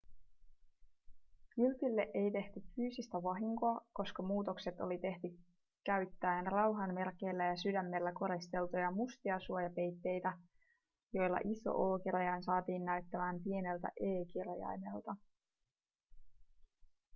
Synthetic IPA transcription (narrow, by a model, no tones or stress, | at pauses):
kylp̪ilːe̞ʔe̞jt̪e̞ht̪yfyːsist̪æʋɑɦiŋko̞ɑko̞skɑmuːt̪o̞kset̪o̞lit̪e̞ht̪y | kæɥt̪ːæenrɑwɦɑnme̞rke̞jlːæjɑsydæmːe̞lːæko̞ɾist̪e̞lt̪ojɑmust̪iɑsuojɑpe̞jt̪ːe̞jt̪æ | jo̞jlːɑ̰ʔiso̞̰ʔo̞ːkiɾɑjɑjnsɑːt̪iːnːæɥt̪ːæmæːmpie̞ne̞lt̪æ̰ʔeːkirjɑ̰jne̞lt̪ɑ